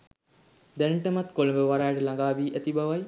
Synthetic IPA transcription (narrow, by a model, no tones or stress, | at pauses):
d̪ɛnʈəmat̪koləmbəʋaɾaːʈəlaŋɡaːʋiːʔæt̪ibaʋaj